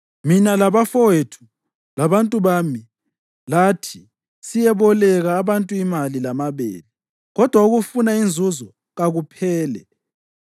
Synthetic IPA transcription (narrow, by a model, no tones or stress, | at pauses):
minalaβafɔwetʰu̥ | laβantʼuβaːmi | latʰi | sijɛβɔlɛɣaːβantʼuimalilamaβḛːli | ɣɔd̥ʱwauɣufunaind͡zʱuzɔ | ɣaɣupʰɛːlɛ̰